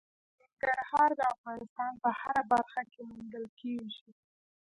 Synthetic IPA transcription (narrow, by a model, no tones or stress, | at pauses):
nɪŋɡaɾhɑɾd̪əafɣɑnɪst̪ɑnpəhaɾabaɾxakemʊnd̪əlkeʒi